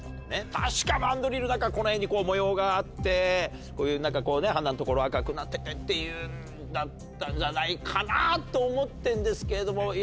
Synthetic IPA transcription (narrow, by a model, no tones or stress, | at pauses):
net̪ʰaɕi̥kamãnd̪o̞ɾʲiɾɯ̟nãkako̞nohẽ̞ɲ̟ːiko̞ːmo̞jo̞ːɡaːt̪ːe̞ | koːjɯ̟ːnãŋkako̞ːne̞ɦãnːanot̪o̞ko̞ɾo̞akakɯ̟nat̪ːet̪et̪ːe̞jɯ̟n | d̪at̪ːãɲ̟d͡ʑanaikʰanat̪ːo̞ːmo̞t̪ːẽ̞nd̪e̞sɨ̥ke̞ɾe̞d̪o̞mo̞